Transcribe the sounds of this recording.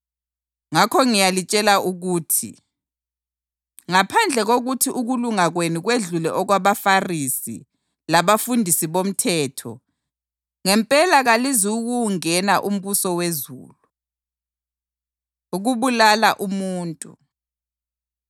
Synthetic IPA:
ŋakʰɔŋijalit͡ʃʼɛlauɣuːtʰḭ | ŋapʰand͡ɮʱɛɣoɣutʰiʔuɣuluŋaɣwenuɣweɮulɛʔɔɣwaβafarisḭ | laβafundʱisiβom̩tʰɛːtʰɔ̰ | ŋɛmpʼɛlaɣaliziuɣuŋɛnaʔum̩βusɔwezṵːlu | uɣuβulalaʔumuːntʼṵ

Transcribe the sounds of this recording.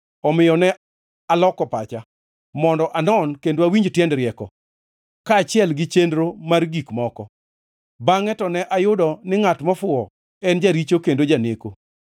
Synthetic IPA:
ɔmɪjɔnɛ | alɔkɔpat͡ʃa | mɔndɔʔanɔnkendoawiɲd͡ʒtjɛndɾɪɛkɔ | kaːt͡ʃɪɛlɡɪt͡ʃendɾomarɡikmɔkɔ | baŋɛtɔnɛʔajʊdɔnɪŋatmɔfʊɔ | ɛnd͡ʒaɾit͡ʃokendod͡ʒaneko

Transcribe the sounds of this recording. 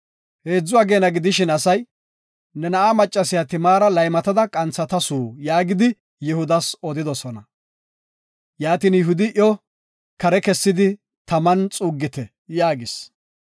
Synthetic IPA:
he̞ːd͡zːʊɐɡe̞ːnɐɡɪd̪ɪʃɪnɐsɐj | nɛnɐʔamɐt͡ʃʼːɐsɪjat̪ɪmaːɾɐlɐjmɐt̪ɐd̪ɐkʼɐnt͡sːɐt̪ɐsuːjaːɡɪd̪ɪ | jɪhʊd̪ɐsɔd̪ɪd̪ɔsɔnɐ | jaːt̪iːnjɪɦʊd̪ɪʔjɔ | kɐɾɛkɛsːɪd̪ɪ | t̪ɐmɐnt͡sʼuːɡːɪt̪ɛ | jaːɡɪs

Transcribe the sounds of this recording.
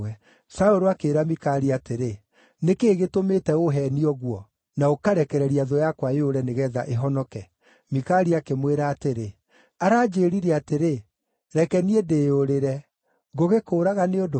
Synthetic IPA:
ɛ | saoɾoakeːɾamikaɾiateɾe | nekeːɣetometɛoɦɛniɔɣwɔ | naokaɾɛkɛɾɛɾiaðojakwajoɾɛneɣɛðaʔeɦɔnɔkɛ | mikaɾiakemweɾaːteɾe | aɾaːd͡ʒeːɾiɾɛateɾe | ɾɛkɛniedejoɾeɾɛ | ɡoɣekoːɾaɣaneodo

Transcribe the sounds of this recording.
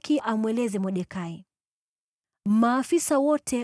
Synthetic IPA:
kiʔamwɛlɛzɛmɔɗɛkai | maːfisawɔtʰɛ

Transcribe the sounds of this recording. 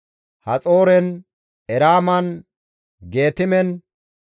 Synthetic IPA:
hɐt͡sʼo̞ːɾɛn | ɛɾaːmɐn | ɡe̞ːt̪ɪmɛn

